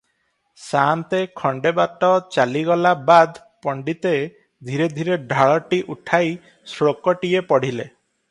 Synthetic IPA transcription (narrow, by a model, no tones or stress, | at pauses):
sant̪ekʰɔɳɖebat̪ɔt͡ʃaliɡɔlabad̪ | pɔɳɖit̪e | d̪ʱiɾed̪ʱiɾeɖʱaɭɔʈiʔuʈʰaj | sɾokɔʈiepɔɽ̤ile